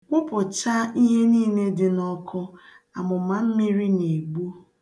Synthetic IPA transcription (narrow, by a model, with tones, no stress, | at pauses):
kʷʊ˦pʊ˨t͡ʃa˦i˦ɦe˦niː˦˨ne˦dɪ˨nɔ˦kʰɔ˦ | a̰˨mʊ˨ma˨m̩˦mɪ˦ɾi˦ne˨ɡ͡bu˦